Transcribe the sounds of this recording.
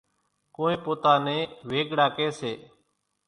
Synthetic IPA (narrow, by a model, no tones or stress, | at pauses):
kõːẽːpoːt̪aːnẽːʋeːɡɽaːkeːseː